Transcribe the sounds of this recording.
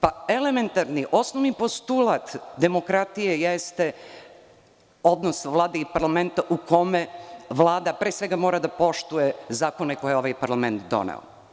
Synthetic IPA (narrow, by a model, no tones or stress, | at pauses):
paeleme̞nt̪aɾniʔo̞snoʋnipo̞st̪ulat̪d̪e̞mo̞kɾat̪ijejest̪e | o̞d̪nosʋlˠaːd̪eipaɾlame̞nt̪aʔuko̞meʋlaːd̪apɾeːsʋe̞ɡamoɾad̪apo̞ʃt̪ujezaːko̞ne̞ko̞jjeo̞ʋajpaɾlˠament̪d̪o̞̰nḛo̰